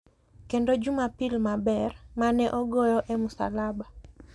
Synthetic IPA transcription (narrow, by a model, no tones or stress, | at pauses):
kendod͡ʒumapilmabɛrmanɛʔɔɡɔjɔʔɛmʊsa̰laba